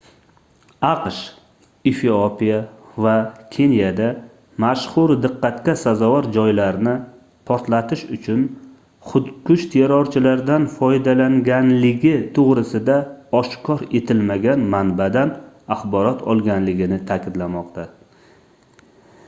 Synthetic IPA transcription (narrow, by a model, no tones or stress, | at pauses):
ɑqʃ | ifiopijavakʲʰe̞njad̪a | maʃχʊɾd̪ɨqːɑt̪kʲasazɒvɒɾd͡ʒɒjlaɾnɪ | pʰɒɾt̪lat̪ʰɪʃʊt͡ʃʰʊn | χʊt̪kʰʊʃt̪ʰeɾɒɾt͡ʃʰɪlaɾd̪anfɒjd̪alaŋɡʲanlɪɡʲɪt̪ʰoʁɾɪsɪd̪aɒʃkʰɒɾe̞t̪ʰɪlmaɡʲanmanbad̪an | aχbɒɾɒt̪ʰɒ̰lˠɡʲanlɪɡʲɪnɪt̪ʰakʲɪd̪lamɒqt̪ʰa